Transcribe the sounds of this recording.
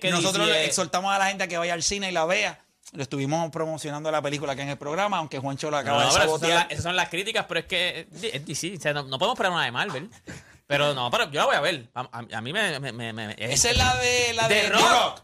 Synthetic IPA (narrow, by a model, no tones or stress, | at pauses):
kkenosot̪ɾosekso̞ɾt̪amosalahent̪̬eakeβajalsineilaβe̞a | loest̪uβimopɾomosjo̞nãnd̪oalape̞likulakaeŋelpɾoɣɾamaːwŋke̞hwant͡ʃoloakaβaðopeɾoot̪alaesas̬õnlaskɾit̪ikaspeɾoesked̪iesd̪isiseanonopoemopeɾaɾunaðemalβel | peɾonopaɾad͡ʒo̞laβojaβeɾbama̰ma̰mimememḛmḛḛesaelaðelaðerook